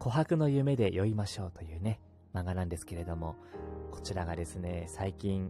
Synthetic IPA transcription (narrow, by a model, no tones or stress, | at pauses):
ko̞ɦakɯ̟no̞jɯ̟me̞d̪e̞jʔo̞imaɕo̞ːt̪ojɯ̟ːne̞ | maŋɡanãnd̪e̞sɨ̥ke̞ɾe̞d̪o̞mo̞ko̞̥t͡ɕiɾaɡad̪e̞sɨne̞saikʲĩŋ